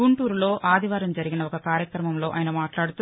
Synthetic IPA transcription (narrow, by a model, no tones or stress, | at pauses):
uɳʈuːɾulo̞ːʔaːd̪ʱiʋaːɾɐmd͡ʒɐɾiɡinɐɔkɐkaːɾjɐkɾɐmɐmlo̞ːʔaːjɐnɐmaːʈlaːɽut̪u